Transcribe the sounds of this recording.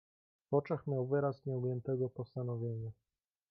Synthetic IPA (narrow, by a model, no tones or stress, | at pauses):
vɔt͡ʂɛxmʲjawvɘɾasɲɛumʲjɛnt̪ɛɡɔpɔst̪anɔvʲjeɲa